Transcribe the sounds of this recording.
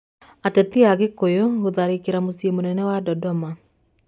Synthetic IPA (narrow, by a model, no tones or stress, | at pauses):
atɛtiaɣekojoɣoðaɾikeɾamosiemonɛnɛwadɔdɔma